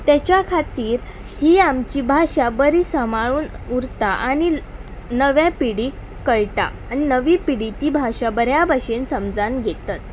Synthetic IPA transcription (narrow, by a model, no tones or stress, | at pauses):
t̪at͡ɕjakʰat̪iːɾ | hiːamt͡ɕiːbʱaɕabəɾiːsəmaɭuːn | uɾt̪aʔaɽ̃inəʋjãpiɽiː | kəɭʈa̰añinəʋiːpiɽit̪iːbʱaʂabəɾjabʱaɕensəmd͡zanɡʱet̪at̪̚